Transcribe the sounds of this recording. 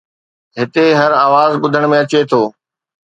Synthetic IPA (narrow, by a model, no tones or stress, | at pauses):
ɦɪt̪eɦɐɾaːʋaːzɓʊd̪ʱəɽ̃mẽɐt͡ɕet̪ʰoː